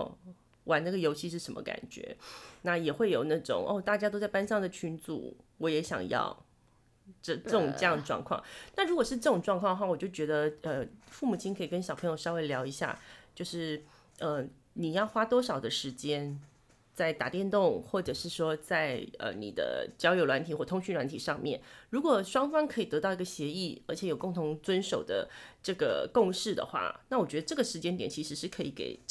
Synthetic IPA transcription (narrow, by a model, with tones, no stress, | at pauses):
wʔa˨˥na˥˩ɡə˩jo˧˥ʊɕi˥˧ʂ̬ɻ̩˥˩ʂə˧˥mə̰˧ka̰˨˩nt͡ɕɥɛ̰˧˥na˥˩jɛ˨˩xwe˥˩ɪjo˨˩ʊna˥˩ʈ͡ʂʊ̰˨˩˦ŋʔo̰˥˧t̪a˥˩t͡ɕja˥t̪o˥t͡sa˥˩ɪpa˥nʂɑ˥˩ŋd̪ə˩t͡ɕʰy˥nt͡sṵ˨˩wɔ˧˥jɛ˧˥ɕjɑ̰˨˩ŋjɑ̰˥˩ʊ | ʈ͡ʂə˥˧ʈ͡ʂɤ˥˩ʈ͡ʂʊ˨˩ŋʈ͡ʂɤ˥˧jɑ˥ŋd̪ə˩ʈ͡ʂwɑ̰˥˧ŋkʰwɑ̰˥˧ŋna˥˩ɻu˧˥kwɔ˨˩ʂɻ̩˥˧ʈ͡ʂɤ˥˩ʈ͡ʂʊ˨˩ŋʈ͡ʂwɑ˥˧ŋkʰɑ˥˧d̪ə˧wa˥˩wɔ˨˩t͡ɕjo˥˩t͡ɕɥɛ˧˥d̪ə˧ə˧fu˥˩mu˨˩t͡ɕʰi˥ŋkʰɤ˧˥i˨˩kə˥nɕjɑ˨˩ʊpʰɤ˧˥ŋjo˧ʊʂɑ˥we˥˩ɪljɑ˧˥ʊi˧˥ɕja̰˥˧t͡ɕjo˥˧ʊʂɻ̩˥˩ | ə˧ | ni˨˩jɑ˥˩ʊxwa˥t̪wɔ˥ʂɑ˨˩ʊd̪ə˦ʂɻ̩˧˥t͡ɕjɛ˥n | t͡sa˥˩ɪt̪a̰˨˩t̪jɛ˥˧nt̪ʊ˥˧ŋxwɔ˥˩ʈ͡ʂɤ˨˩ʂɻ̩˥˩ʂwɔ˥t͡sa˥˩ɪə̰˧nḭ˨˩d̪ə̰˦t͡ɕjɑ˥ʊjo˧˥ʊlwa˧˥nt̪ʰi˨˩xwɔ˥˩t̪ʰʊ˥ŋɕy˥nlwa˧˥nt̪ʰi˨˩ʂɑ˥˧ŋmjɛ̰˥˩nɻu˧˥kwɔ˨˩ʂwɑ˥ŋfɑ˥ŋkʰɤ˧˥i˨˩t̪ɤ˧˥t̪ɑ˥˩ʊi˧˥ɡə˧ɕjɛ˧˥i˥˩ə̰˞˧˥t͡ɕʰjɛ˧˥jo˨˩ʊkʊ˥˩ŋt̪ʰʊ˧˥ŋt͡swə˥nʂo˨˩ʊd̪ə̰˦ʈ͡ʂɤ˥˩ɡə̰˩kʊ˥˧ŋʂɻ̩˥˩d̪ə̰˩xwa̰˥˩na˥˩wɔ˨˩t͡ɕɥɛ˧˥d̪ə˧ʈ͡ʂɤ˥˩ɡə˩ʂɻ̩˧˥t͡ɕjɛ˥nt̪jɛ˨˩nt͡ɕʰi˧˥ʂɻ̩˧˥ʂɻ̩˥˩kʰɤ˧˥ḭ˨˧˩kḛ˨˩ɪ